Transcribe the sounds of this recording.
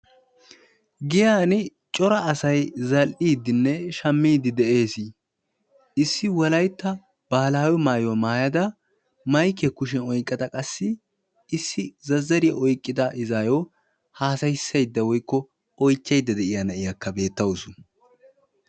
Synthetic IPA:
ɡɪjaːnɪ | t͡ʃʼɔɾɐːsɐjzɐlʔiːd̪ɪnːɛʃɐmːiːd̪ɪd̪ɛʔe̞ːsi | ɪsːɪwɔlɐjt̪ːɐ | b̥aːlaːwɔmaːjɔmaːjɐd̪ɐ | mɐjkːɛkʊʃ̬ɛnɔjkʼːɐd̪ɐkʼɐsːɪ | ɪsːɪzɐzːɐɾɪjɐʔɔjkʼːɪd̪ɐʔɪzaːjɔ | haːsɐjɪsːɐjd̪ːɐwɔjkːɔ | ɔjt͡ʃːɐjd̪ːɐd̪ɛʔɪjɐnɐʔɪjɐkːɐbe̞ːt̪ːɐwɔsʊ

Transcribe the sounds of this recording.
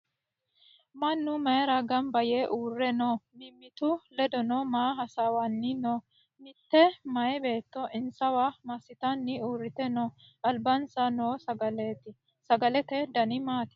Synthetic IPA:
mɐnːʊmɐjɛɾɐɡɐmbɐjeʔuːrːɛnoːmɪmːɪt̪ʊlɛd̪ɔnoːmaːɦɐsawɐnːɪnoː | mɪt̪ːɛmɐjɛbe̞ːt̪ːɔʔɪnsɐwamɐsɪt̪ɐnːɪuːrːɪt̪ɛnoː | ʔɐlbɐnsɐnoːsɐɡɐleːt̪ːɪ | sɐɡɐlɛt̪ɛd̪ɐnɪmaːt̪ɛ̥

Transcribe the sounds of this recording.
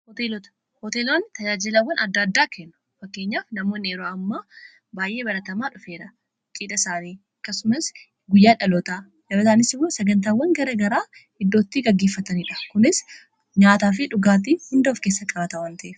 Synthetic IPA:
hɔt̪eːlɔt̪ɐ̥ | hɔt̪eːloːnːɪt̪ɐd͡ʒaːd͡ʒɪlɐwːɐnɐd̪ːaːd̪ːaːkʰenːʊ̥ | fɐkːe̞ːɲːaːfnɐmo̞ːneːɾoːɐmːa | baːjʔe̞ːbɐɾɐt̪ɐmaːᶑʊfeːᶑɐ | t͡ʃʼiːᶑɐsaːniː | ɐkːɐsʊmɐs | ɡʊjːaːᶑɐlot̪aː | ᶑɐbɐsaːnɪsɪwosɐɡɐnt̪aːwːɐŋɡɐɾɐɡɐɾaː | hɪd̪ːo̞ːt̪ːiːɡɐɡːeːfːɐt̪ɐniːᶑɐ̥kʊnɪs | ɲaːt̪aːf̬ɪᶑʊɡaːt̪̬iːhʊnd̪ɐːfke̞ːsːɐkʼɐbɐt̪ɐwɐnt̪ɐʔef

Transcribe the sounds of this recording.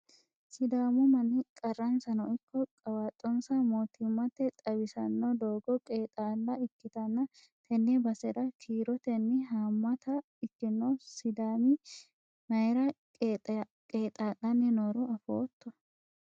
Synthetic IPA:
sɪd̪aːmʊmɐnɪkʼɐrːɐnsɐnɔʔɪkːɔkʼɐwaːt̪ʼːɔnsɐmoːt̪ɪmːɐt̪ːɛt̪ʼɐbɪsɐnːɔd̪oːɡɔkʼeːt̪ʼaːlːɐɪkːɪt̪ɐnːɐ | t̪ʰɛnːɛbɐsɛɾɐkʰiːɾɔt̪ɛnːɪɦaːmːɐt̪ɐ | ɪkːɪnːosɪd̪aːmɪ | nɐjɛɾɐ | kʼeːt̪ʼaːlːɐnːɪnoːɾʊɐfoːt̪ːɔ

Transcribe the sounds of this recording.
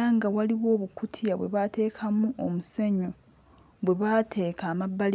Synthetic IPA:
aŋɡawaliwo̞ːβukutʰjaβwe̞̰βate̞ːkʰamuʔomuseɲo | βwe̞βatʰe̞ːkaːmabːal

